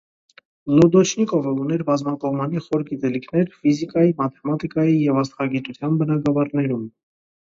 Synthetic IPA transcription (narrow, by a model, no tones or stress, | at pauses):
lɔd̪ɔt͡ʃʰnikɔvəunɛɾbɑzmɑkɔʁmɑniχɔɾɡit̪ɛlikʰnɛɾfizikɑjimɑt̪ʰɛmɑt̪ikɑjijɛvɑst̪χɑɡit̪ut̪ʰjɑnbənɑɡɑvɑɾnɛɾum